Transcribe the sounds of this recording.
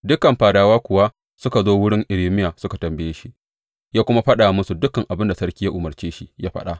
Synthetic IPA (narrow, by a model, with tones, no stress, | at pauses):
dʊ˦kɐ˨mɸaː˨daː˨waː˦kʷʊ˨wa˦ | sʊ˦ka˨zoː˦wʊ˦ɽɪ˦ŋʔɪ˨ɾiː˦mɪ˦jaː˨sʊ˦ka˨tɐ˨mbɪ˦jeː˦ʃi˦ | jaː˦kʷʊ˦ma˦ɸɐ˦ɗaː˨mʊ˦su˨dʊ˦kɐ˨ŋʔa˨bɪ˦nda˨sɐ˦ɽkʲiː˦ja˦ʔʊ˨mɐ˨rt͡ʃeː˦ʃi˦jaː˦ɸɐ̰˦ɗa˦ʔ